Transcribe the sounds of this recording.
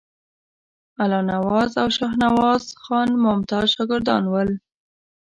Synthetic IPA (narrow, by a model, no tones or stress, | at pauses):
alɑnawɑzawʃɑxnawɑzxɑnmʊmt̪ɑzʃɑɡəɾd̪ɑ̰nwəl